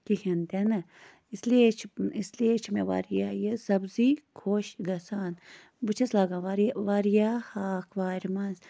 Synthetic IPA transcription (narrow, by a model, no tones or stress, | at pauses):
kikʰɐnt̪enɐ | isliet͡ʃʰisliet͡ʃʰmḛʋa̰ːɾjaːjesɐbzikʰoːʃɡɐsaːn | but͡ʃʰɐslaːɡãːʋaːɾʋaːɾjaːhaːkʰʋaːɾʲmɐz